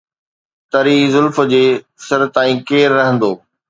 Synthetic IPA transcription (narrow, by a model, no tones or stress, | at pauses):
t̪ɐɾiːzʊlfəd͡ʑeː | sɐɾt̪aːĩːkeːɾːɐɦə̃nd̪oː